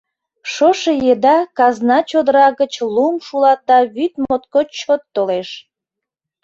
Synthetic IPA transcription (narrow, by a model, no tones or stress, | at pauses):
ʃoʃejed̪ɑkɑznɑt͡ɕod̪əɾɑɣət͡ɕlumʃulɑt̪̚d̪ɑβyt̪mot̪̚kot͡ɕot̪ːoleʃ